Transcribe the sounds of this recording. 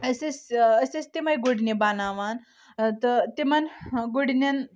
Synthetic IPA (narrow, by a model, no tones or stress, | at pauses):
əsesəsest̪emajɡoɽnebanaʋan | t̪ət̪emanɡoɽnan